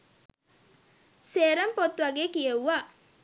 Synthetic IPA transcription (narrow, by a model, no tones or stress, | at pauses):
seːɾəmpot̪ʋaɡeːkijewa